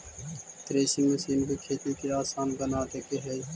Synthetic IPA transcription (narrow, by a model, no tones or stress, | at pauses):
t̪ɾeːʃənməsiːnbiːkʰeːt̪ikeːaːsaːnɡənaːʈ̪eːkeːɦei